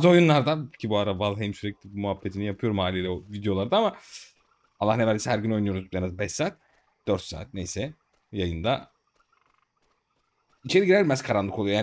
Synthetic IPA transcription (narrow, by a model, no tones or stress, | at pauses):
azɯo̞junlˠaɾd̪acʰibuaɾavalˠɦɛmsyɾɛclʲibumuɦabːet̪ʰinijapʰɯjo̞ɾumhaːlʲilʲɛovid̪ejo̞lˠaɾd̪aama | alˠːahnevælʲd̪ʲisiɦæɾɟyno̞jnujoɾuzjanazbɛʃsaːt̪̚ | d̪̥øɾt̪sa̰ːt̪̚nejsɛ | jajɯnd̪a | it͡ʃʰe̞ɾiɟiɾɛimɛz̥kʰaɾanlˠɯkolˠujojaːn